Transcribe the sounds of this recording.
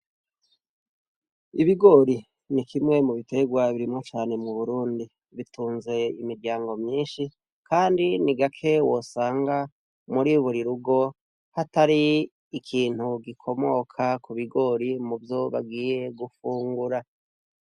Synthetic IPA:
iβiɡo̞ːɾi | nikʰimŋe̞muβite̞ɡwaβiɾimŋot͡ʃaːne̞muβuɾuːndi | βituːnze̞imiɾɡɟaːŋɡo̞mɲiːnʃi | kʰaːndiniɡakʰe̞wo̞saːŋɡa | muɾiuβuɾiɾuɡo̞ | hataɾiː | kʰiːn̥huɡikʰo̞mo̞kʰakuβiɡo̞ɾimuvjo̞βa̰ɡiːje̞ɡufuːŋɡuɾa

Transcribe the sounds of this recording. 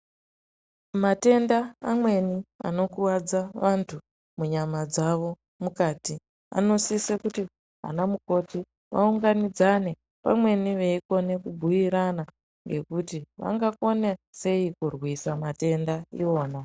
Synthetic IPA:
mate̞ndaːmwe̞nia̰no̞kuwad͡zaʋantʰu | muɲamad͡zaʋo̞ | mukaːti | a̰no̞sisekuti | ɦa̰namuko̞ti | ʋa̰uŋɡanid͡zane̞ | pa̰mwe̞niʋeiko̞ne̞kubʱujiɾana | ŋɡe̞kutiʋa̰ŋɡako̞nese̞ikurwisamate̞ndaḭo̞ːna

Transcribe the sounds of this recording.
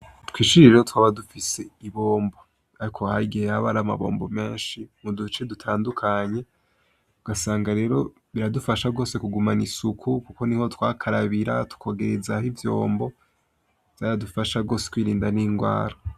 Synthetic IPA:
twiːʃiɾiɾehotwaːβadufise̞iβo̞ːmbo | aɾikʰo̞haɾiɡihehaβaɾama̰βo̞̰ːmbo̞me̞ːnʃimudut͡ʃe̞dutʰaːndukʰaɲe̞ | uɡ̥asaːŋɡaɾe̞ːɾo̞ | βiɾadufaʃaɡo̞ːse̞kuɡumanisukʰukuko̞niho̞twaːkʰaɾaβiɾa̰tu̥kʰo̞ɡe̞ɾezahivjo̞̰ːmbo̞ | vz̥jaːɾadufaʃaɡo̞ːse̥kwiːɾiːndaniːŋɡwa̰ːɾa

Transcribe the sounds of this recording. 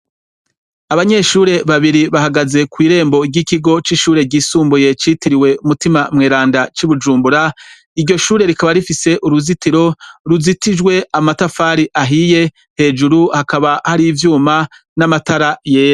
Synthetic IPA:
aβaɲe̞ʃuːɾe̞βaβiɾiβahaɡaze̞kwiːɾe̞ːmbo̞ɟikiɡo̞t͡ʃiʃuːɾe̞ɟiːsuːmbuje̞t͡ʃiːtiɾiwe̞umutimamŋeːɾaːndat͡ʃiβud͡ʒuːmbuɾa | iɾɟo̞ʃuːɾe̞ɾikaβaɾifise̞ʔuɾuzitiɾo̞ɾuzitid͡ʒɡwe̞amatafaːɾiʔaɦije̞ | he̞ːd͡ʒuɾuhakaβahaɾivjuːma | namataɾaje̞ːɾo

